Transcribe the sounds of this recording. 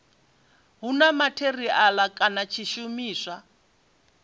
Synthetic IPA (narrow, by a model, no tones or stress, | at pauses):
ɦunamatʰeriʔalakʼanat͡ʃʰiʃumiːsa